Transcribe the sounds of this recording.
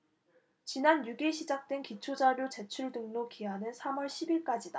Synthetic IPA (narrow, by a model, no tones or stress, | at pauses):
t͡ɕinanjuɡiɕʰid͡ʑak̚t͈we̞nkit͡ɕʰod͡ʑaɾjot͡ɕe̞t͡ɕʰuɭdɯŋnokiɦanɯnsʰamʌɭɕʰibiɭk͈ad͡ʑida